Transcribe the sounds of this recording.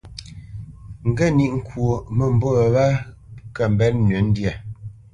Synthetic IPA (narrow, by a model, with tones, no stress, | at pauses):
ŋ̩˨ɡə˦˨ni˦ʔŋ̩˨kwo˨mə˨m̩˨bo˦˨βa˦ | kə˨m̩˨bɛ˨˦lnɥe˨˦n̩˦dja˨